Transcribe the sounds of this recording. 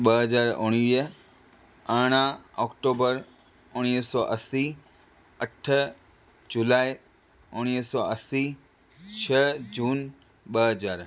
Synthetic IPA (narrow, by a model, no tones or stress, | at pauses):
ɓəɦəzaːɾʊɽ̃iɦ | aːɽ̃ãɔːkʈoːbəɾ | ʊɽ̃iɦsɔːʔɐsi | əʈʰ | d͡ʒʊlaːɪ | ʊɽ̃iɦsɔʔəsi | t͡ʃʰəd͡ʑuːn | ɓəɦəzaːɾ